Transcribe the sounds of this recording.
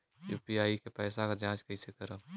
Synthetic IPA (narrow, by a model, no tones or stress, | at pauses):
jṵːpiaːikepɛːsakad͡ʒãːt͡ʃkɐisekɐɾaː